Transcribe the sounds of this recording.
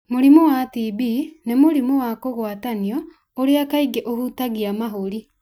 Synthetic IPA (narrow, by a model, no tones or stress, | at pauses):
moɾimowatibinemoɾimowakoɣwataniɔ | oɾeakaiɡeʔohutaɣiamaɦoɾi